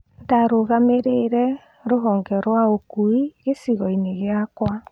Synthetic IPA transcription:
ndaɾoɣameɾeɾɛ | ɾoɦɔŋɡɛɾwaokuiɣesiɣɔineɣeakwa

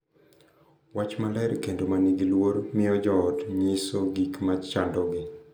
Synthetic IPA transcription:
wat͡ʃmalɛɾkendomaniɡilwoɾmɪɔd͡ʒɔːtɲɪsoɡikmat͡ʃandɔɡɪ

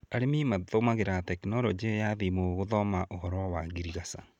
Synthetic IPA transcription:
aɾemimaðomaɣeɾatɛknɔɾɔd͡ʒejaðimoɣoðɔmaʔohɔɾwɔwaɡiɾiɣasa

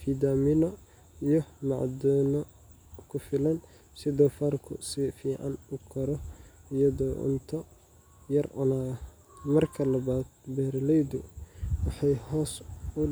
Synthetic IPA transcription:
fiːd̪aːmɪnɔ | ijɔmɑ̰ʕd̪ɔːnɔ | kʰʊfɪlɐn | sɪðɔːfaːrkʰʊ̰sifiːʕɑ̰nʊkʰɔɾɔɪjɐðɔːʔʊ̰nt̪ʰɔ | jɐrʔʊ̰naː | mɐrkʰɐlɐβaːd̪̥̚bɛːrlɛjd̪ʊwɑħɑjhɔːsʊ

